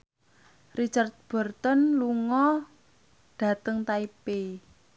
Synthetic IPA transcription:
rit͡ʃart̪̚b̥ɔ̤rt̪ɔnluŋɔ | ɖ̥ä̤t̪əŋt̪aipe

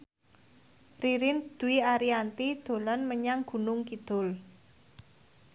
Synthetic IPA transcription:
riɾɪnd̪̥ṳiaɾiant̪id̪̥o̤lanməɲaŋɡ̥ṳnʊŋkid̪̥ʊ̤l

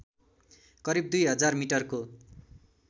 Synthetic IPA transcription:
kʌɾib̚d̪ujɦʌd͡zarmiʈʌrko

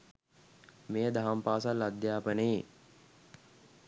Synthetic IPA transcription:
meːd̪aɦampaːsalːad̪jaːpənee

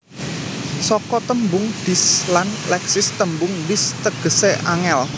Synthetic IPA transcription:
sɔkɔt̪əmbʊŋd̪̥islanlɛksɪst̪əmbʊŋwɪst̪əɡ̥ə̤seʔa̰ŋɛl

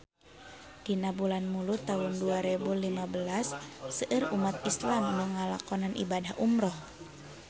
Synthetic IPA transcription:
d̥inabulanmulut̪aɦunduaɾɛbulimabəlasːəʔɨrumat̪̚islamnuŋalakɔnanʔḭbadahʔumɾɔh

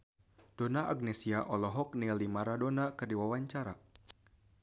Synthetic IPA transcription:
d̥onaʔaɡ̚nɛsiaʔɔlɔɦɔk̚nilimaɾadonakərdiwawaɲt͡ʃaɾa

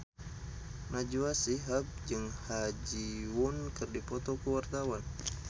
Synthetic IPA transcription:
nad͡ʒuasiɦap̚d͡ʒɨŋhad͡ʒiwunkɨrdipɔt̪ɔkuwart̪awan

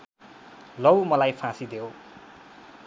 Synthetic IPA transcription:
lʌwmʌlajpʰãsid̪ew

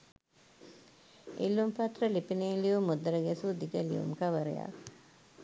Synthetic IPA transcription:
ʔilːumpɐt̪rəlipineːliumːud̪ɐɾəɡesud̪ikəlḭʋṵmkɐʋəɾḛja̰

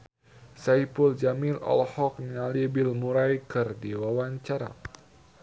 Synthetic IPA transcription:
sajpuld͡ʒamilɔ̰lhɔk̚ɲalibɪlmuɾajkɨrdiwawaɲt͡ʃaɾa̰

